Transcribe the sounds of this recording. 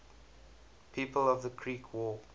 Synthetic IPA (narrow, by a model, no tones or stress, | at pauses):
pʰiːpəlɔvðəkʰɹiːˑkʰwɔː